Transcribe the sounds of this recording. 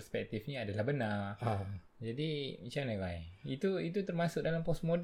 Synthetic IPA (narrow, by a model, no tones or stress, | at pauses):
spɛk̚t̪ifɲiadalahbənar | d͡ʒadimit͡ʃanawajit̪uit̪ut̪ərmasʊʔ̚dalampɔsmod